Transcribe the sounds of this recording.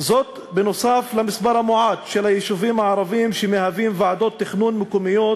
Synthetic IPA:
zot̪ | benosaflamɪsbaɾamoʕaːd̪ʃelajeʃuvimaʕaɾˤɑviːmʃemehavimvaʕad̪ot̪ːeχnunmɪkomijo

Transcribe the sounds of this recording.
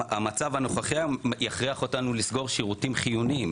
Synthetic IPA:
amat͡savhano̞χaχiajaχʁiaχo̞tanulisɡo̞ʁʃiʁutimχijunim

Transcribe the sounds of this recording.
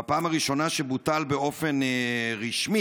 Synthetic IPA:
apaːmaʁiʃo̞naʃebutalbeo̞fe̞nʁiʃmi

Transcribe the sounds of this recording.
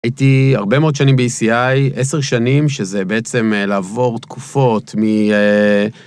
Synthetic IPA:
ajit̪iaʁbe̞meod̪ʃanimbeisiajʔeseʁʃanimʃezebeet͡se̞mlaːvo̞ʁt̪kʰufo̞t̪mie

